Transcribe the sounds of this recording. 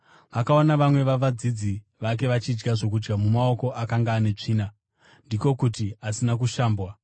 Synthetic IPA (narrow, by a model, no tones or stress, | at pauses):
ʋakaonaʋamwe̞ʋaʋad͡zid͡zi | ʋak̬e̞ʋat͡ʃid͡ʒɡaʐo̞k̬ud͡ʒɡamumao̞ko̞ʔakaŋɡaːne̞t͡ʂiːna | ndiko̞kutiasinak̬uʃaːmbwa